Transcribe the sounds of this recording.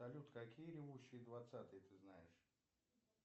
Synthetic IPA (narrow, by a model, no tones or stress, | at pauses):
ɐlʲut̪kɐkʲijəɾʲɪvuɕːɪjəd̪vat̪sat̪ɨjət̪ɨznajɪʂ